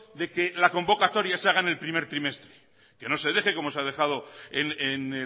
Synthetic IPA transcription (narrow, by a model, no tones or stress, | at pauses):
d̪e̞ke̞lako̞mbo̞kat̪o̞ɾjaseaɣ̞aene̞lpɾime̞ɾt̪ɾime̞st̪ɾe̥ | ke̞no̞se̞ðe̞xe̞ko̞mo̞seað̞e̞xað̞o̞enene